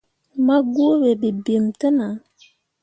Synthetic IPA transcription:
ma˦ɡu˦be˨bi˨bi˨mtə˦na˨˦

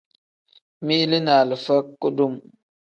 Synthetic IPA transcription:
mi˦ʔli˦na˨lə˨fə˦kːo˦du˦˨m

